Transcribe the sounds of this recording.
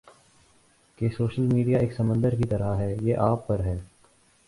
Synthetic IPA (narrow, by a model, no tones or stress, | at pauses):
kesoːʃəlmiːɖijaeːksɐmə̃nd̪əɾkit̪ɐɾaɦɛːjeːʔaːpːɐɾɦɛː